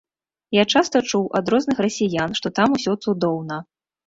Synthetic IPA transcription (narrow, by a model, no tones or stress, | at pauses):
jat͡ʂast̪ɐt͡ʂuwʔɐd̪ɾɔznɨxrɐsʲijanʂt̪ɔt̪amusʲɔt̪sud̪ɔwnɐ